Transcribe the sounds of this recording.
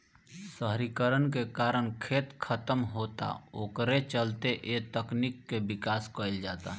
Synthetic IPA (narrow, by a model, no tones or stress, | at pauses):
səɦɾikəɾənkekaːɾəɽ̃kʰeːt̪kʰət̪əmɦoːt̪a̰oːkɾet͡ʃəlt̪eʔeːt̪əknikːebɪkaːskəɪld͡ʒaːt̪a̰ː